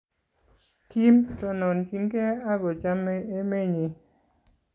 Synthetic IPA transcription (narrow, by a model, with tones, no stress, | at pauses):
ki˦mtɔ˦nɔ˨nt͡ʃi˦ŋke˦a˦ɡɔ˨t͡ʃa˦me˦e˦me˦˨ɲi˨